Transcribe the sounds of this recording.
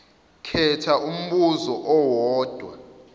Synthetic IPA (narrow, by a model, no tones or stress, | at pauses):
kʰɛtʰaʔum̩ɓuzɔʔɔwɔːd̥ʱwa̰